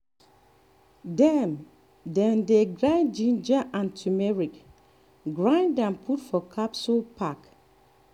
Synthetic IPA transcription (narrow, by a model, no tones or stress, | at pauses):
dɛm | dɛ̃ndeɡɹãɪ̃nd͡ʒĩnd͡ʒaʔãntʰumɛɹik | ɡɹãɪ̃ndãmpʰutfɔkʰapsolpʰak